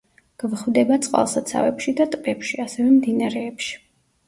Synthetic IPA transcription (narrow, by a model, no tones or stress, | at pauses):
ɡ̥vχvd̪ɛbat̪sʼqʼwa̰lˠsat̪sʰa̰vɛpʃid̪at̪ʼpʼɛpʃiasɛvɛmd̪inaɾɛːpʃi̥